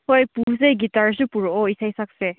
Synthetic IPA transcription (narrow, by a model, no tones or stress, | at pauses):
hojpuzejɡitaɹsupuɾɔɔisajsak̚se